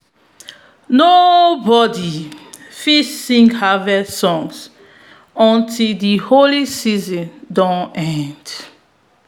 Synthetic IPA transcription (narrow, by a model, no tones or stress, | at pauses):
nobɔdifissĩŋhavɛsɔ̃ŋs | ɔ̃ntʰildiholisizɔ̃ndɔ̃nɛ̃nd̥